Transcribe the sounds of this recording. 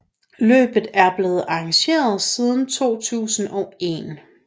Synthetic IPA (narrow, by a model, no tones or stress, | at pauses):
lø̰ːb̥ð̩ˠæɐb̥le̝ːð̞̩ˠɑ̈ɑŋɕe̝̰ːɐð̞ˠsið̞ˠn̩t͡sʰo̝̰ːt͡sʰṵːsn̩ɒ̽e̝̰n